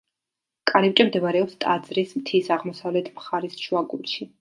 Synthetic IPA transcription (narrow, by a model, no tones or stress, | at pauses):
kʼaɾipt͡ʃʼɛmd̪ɛvaɾɛɔpst̪ʼad̪zɾismt̪ʰisaʁmɔsavlɛt̪ʰmχaɾisʃwaɡṵlˠʃi